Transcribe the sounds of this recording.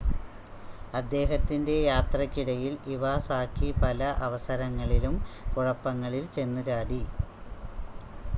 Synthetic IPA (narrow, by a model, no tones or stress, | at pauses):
ɐd̪ːe̞ːɦɐt̪ːinde̞jaːt̪rɐkːiɽɐjiliʋasaːkːipɐlɐʔɐʋɐsɐɾɐŋːɐɭilumkuɻɐpːɐŋːɐɭilt͡ɕe̞nːuɾaːɽi